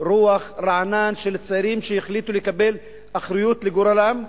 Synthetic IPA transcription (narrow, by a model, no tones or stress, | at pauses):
ɾuːaxɾˤɑʕnaːnʃɪlsːaɾiːmʃɪjɪxlit̪ulɪjkabel | ʔaxɾʊjuːt̪lɪɡuɾˤalam